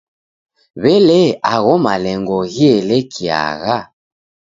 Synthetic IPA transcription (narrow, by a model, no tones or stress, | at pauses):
βɛlɛaɣɔmalɛŋɡɔɣiɛlɛkʰia̰ɣa